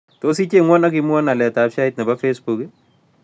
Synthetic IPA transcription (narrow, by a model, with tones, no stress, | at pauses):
to˦s̬i˦t͡ʃe˦ŋwɔ˦na˦ki˦mwa˦na˨lɛ˨ta˨pʃa˦ɪt̚nɛ˨pa˦fesbu˨kɪ